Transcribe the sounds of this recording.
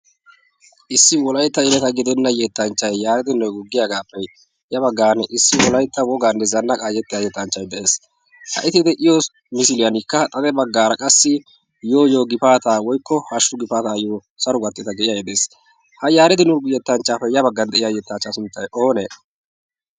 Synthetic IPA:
ʔɪsːɪwɔlɐjt̪ːɐjɪlɛt̪ɐɡɪd̪ɛnːɐjɛt̪ːɐnt͡ʃːɐjːaːɾɛt̪ɪnɔjɡʊɡːɪjaːɡaːpːɛ | jɐbɐɡːaːnɛʔɪsːɪwɔlɐjt̪ːɐwɔɡaːnːɛzɐnːɐkʼaːjɛt̪ːɪjajɛt̪ːɐnt͡ʃːɐjd̪ɛʔeːs | hɐ̰ʔɪt̪ɪd̪ɛʔɪjoːs | mɪsɪlɪjɐnɪkːɐt̪ʼɐd̪ɛbɐɡːaːɾɐkʼɐsːɪ | jo̞ːjoːɡɪpaːt̪aːwɔjkːɔhɐʃːʊɡɪpaːt̪aːjoː | sɐɾʊɡɐt̪ːɛt̪ɐɡɛʔɪjajɛd̪eːs | hɐjaːɾɛt̪ɪnɔɡjɛt̪ːɐnt͡ʃːaːfɛjɐbɐɡːɐnd̪ɛʔɪjajɛt̪ːat͡ʃːasʊnt̪ːɐjo̞ːneː

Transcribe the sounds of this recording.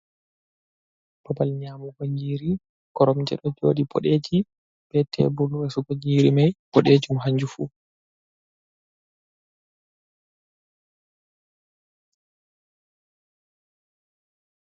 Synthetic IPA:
b̥ɔbalɲaːmuɡoɲiːɾi | ɡ̥ɔɾɔmd͡ʒɛ̰ɗɔd͡ʒo̰ːɗibɔ̰ɗed͡ʒi | b̥ɛtʰːɛ̰buluwɛsɔɡoɲiːɾimajpɔɗeːd͡ʒumɦaɲd͡ʒufṵː

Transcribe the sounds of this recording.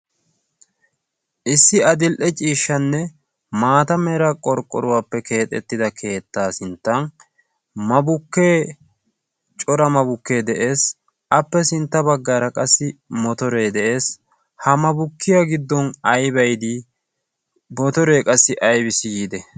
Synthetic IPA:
ʔɪsːɪɐd̪ɪlʔɛt͡ʃʼiːʃːɐnːɛ | maːt̪ɐmɛɾɐkʼɔɾkʼːɔɾʊwaːpːɛkʰe̞ːt̪ʼɛ̰t̪ːɪd̪ɐkʰe̞ːt̪ːaːsɪnt̪ːɐn | mɐbʊkːe̞ː | t͡ʃʼɔɾɐmɐbʊkːe̞ːd̪ɛʔe̞ːs | ʔɐpːɛsɪnt̪ːɐbɐɡːaːɾɐkʼɐsːɪmɔt̪ɔɾe̞ːd̪ɛʔe̞ːs | hɐmɐbʊkːɪjaɡɪd̪ːɔnɐjbɐjd̪i | bɔt̪ɔɾe̞ːkʼɐsːɪʔɐjbɪsɪɡiːd̪ɛ

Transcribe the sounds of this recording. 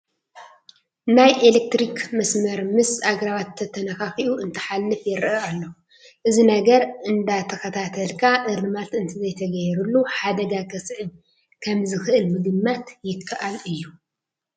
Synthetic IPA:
najʔelek̚t̪ɾikmɐsmɐɾmɨsaɡɾaβat̪ʰːɐt̪ʰɐnɐxaxiʔuʔɨnt̪ʰɐ̥ħalːɨfjɛɾʔɐalːo | ʔɨzinɐɡɐɾɨnd̪at̪ʰɐkɐt̪ʰat̪ʰɐlkʰaʔɨɾɨmat̪ɨnt̪ʰɨzɐjt̪ʰɐɡɐjɛɾulːuħad̪ɐɡakʰɐsʼɨʕɨb | kʰɐmzɨxɨʔɨlmɨɡɨmːat̪jɪkʰːaʔalɨjːu

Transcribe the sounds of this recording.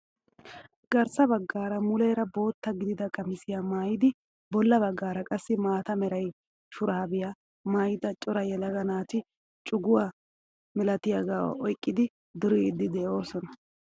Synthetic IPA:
ɡ̥ɐɾsɐbɐɡːaːɾɐmʊlɛːɾɐbo̞ːt̪ːɐɡɪd̪ɪd̪ɐkʼɐmɪsɪjamaːjɪd̪ɪ | bɔlːɐbɐɡːaːɾɐkʼɐsːɪmaːt̪ɐmɛɾɐj | ʃʊɾaːbɪja | maːjɪd̪ɐt͡ʃʼɔɾɐjɛlɐɡɐnaːt̪ɪ | t͡ʃʼʊɡʊwa | mɛlɐt̪ɪjɐɡa̰ːɔjkʼːɪd̪ɪ | d̪ʊɾɪɪd̪ːɪd̪ɛːo̞ːsɔnɐ

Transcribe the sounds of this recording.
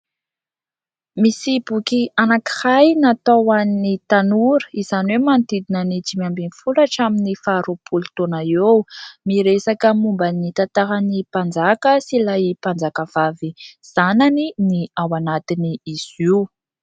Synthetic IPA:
misib̥ukianaki̥hajnat̪owannit̪anuɾə̥iz̥aniwemant̪id̪inənid͡ʒimiambinifulaʈ͡ʂaminifaːɾopʰult̪onaewmiɾesakəmumbənit̪at̪aɦanipand͡zakəsilajipand͡zakəv̥aviz̥ananiniawanat̪iniiz̥iw

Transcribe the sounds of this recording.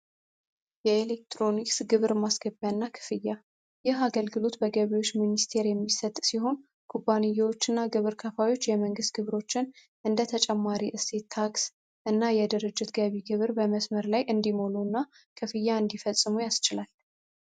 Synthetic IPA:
jɛelek̚t̪ʰɾo̞niksɡɨβɾmasɡ̥əbjanːakʰɨ̥fɨjːa | jɪɦaɡəlɡɨlo̞t̪bəɡəβiwo̞t͡ʃːminist̪ʰe̞ɾjɛmːisət̪ʼːsiɦo̞n | kʰubanijːawo̞t͡ʃːɨnːaɡɨβɨɾkʰəfajo̞t͡ʃːjɛməŋɡɨst̪̚ɡ̥ɨβɾo̞t͡ʃːɪn | ʔɨnd̪ət̪ʰət͡ʃʼɛmːaɾiʔɨse̞t̪ʰːaks | ʔɨnːajɛd̪əɾɨd͡ʒːɪt̪ɡəβiɡɨβɾbəməsməɾlajʔɨnd̪imolunːa | kʰɨfɨjːaɨnd̪ifəsʼːɨmujast͡ʃɪlal

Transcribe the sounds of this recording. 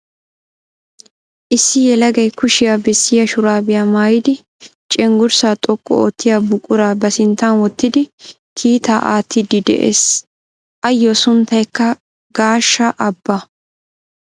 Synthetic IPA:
ʔɪsːɪjɛlɐɡɐjkʊʃɪjabɛsːɪjɐʃʊɾaːbɪjamaːjɪd̪ɪ | t͡ʃʼɛŋɡʊɾsaːt̪ʼɔkʼːɔ̰o̰ːt̪ːɪjabʊkʼːʊɾaːbɐsɪnt̪ːɐnwɔt̪ːɪd̪ɪ | kʰiːt̪aːʔa̰ːt̪ːɪd̪ɪd̪ɛ̰ʔḛːs | ʔɐjːosʊnt̪ːɐjkːɐ | ɡaːʃːɐʔɐbːɐ

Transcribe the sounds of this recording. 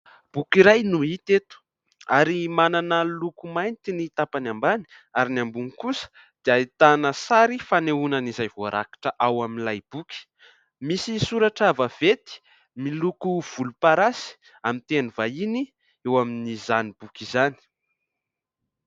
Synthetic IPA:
b̥ukiɾajnuit̪et̪u̥ | aɾimananəlukumajnt̪init̪apanambani̥ | aɾinambuŋikusə̥ | d̪̥iait̪anəsaɾifaneunənizajvoaɾa̰kḁʈ͡ʂəʔawaminlajb̥uki̥ | misisuɾaʈ͡ʂavəv̥et̪i̥ | milukuv̥ulupaɾasi̥ | amint̪enivaini | ewaminizanib̥ukizani̥

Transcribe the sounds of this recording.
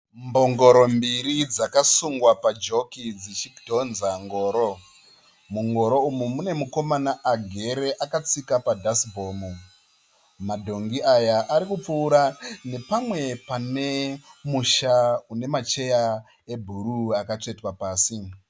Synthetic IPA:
mbo̞ŋɡo̞ɾo̞mbiɾid͡zakasuŋɡwapad͡ʒo̞kid͡zit͡ʃikdʱo̞nzaŋɡo̞ːɾo | muŋɡo̞ɾo̞umumune̞muko̞manaʔːɡʱe̞ɾe̞ʔakat͡sikapadʱasbʱo̞ːmu | madʱo̞ŋɡiʔajaʔaɾikup͡fuːɾane̞pamwe̞pane̞muʃaune̞mat͡ʃe̞ja | e̞bʱuɾuakat͡ʂe̞twapaːsi

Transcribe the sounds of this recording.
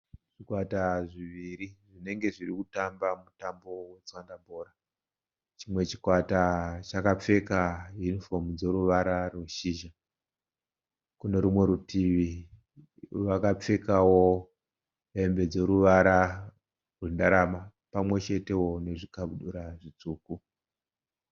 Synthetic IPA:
ʐ̥ikwataʐiʋiɾiʐine̞ŋɡe̞ʐirikutambamutambo̞we̞t͡swandamboːɾa | t͡ʃimwe̞t͡ʃi̥kwatat͡ʃakap͡fe̞kajunifo̞mud͡zo̞ɾuʋaɾarweʃiʒa | kune̞ɾumwe̞ɾutiʋi | ʋakap͡fe̞kawo̞ | e̞mbe̞d͡zo̞ɾuʋaɾa | rwendaɾama | pamwe̞t͡ʃe̞te̞wo̞ne̞ʐikauɗuɾaʐit͡suːku

